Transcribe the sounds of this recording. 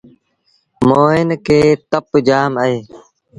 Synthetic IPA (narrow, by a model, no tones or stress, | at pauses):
moːɪnkeːt̪əpd͡ʒaːməeː